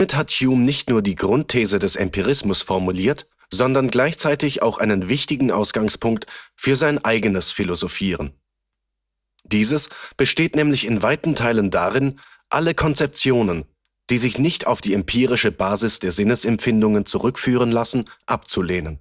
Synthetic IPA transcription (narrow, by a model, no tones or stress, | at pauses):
mɪthatçjuːmnɪçtnuːɐdiːɡʁʊntʰːeːzədɛsɛmpiʁ̞ɪsmʊsfɔɐmuliːɐt | z̥ɔndɐnɡlaɪçt͡saɪtɪça̰ʊxʔa̰ɪnənvɪçtɪɡŋ̩ʔa̰ʊsɡ̥aŋspʰʊŋk̚tfyːɐzaɪnʔaɪɡənəsfilozofiːʁ̞ən | d̥iːzəsb̥əʃteːtnɛːmlɪçɪnvaɪtn̩tʰaɪləndaʁɪn | ʔaləkʰɔnt͡sɛp̚t͡sjoːnən | d̥iːzɪçnɪçtʰaʊfd̥iːɛmpʰiːʁɪʃəbaːzɪsd̥eːɐzɪnəsɛmfɪndʊŋənt͡suʁʏkfyːʁ̞ənlasn̩ʔapt͡suleːnən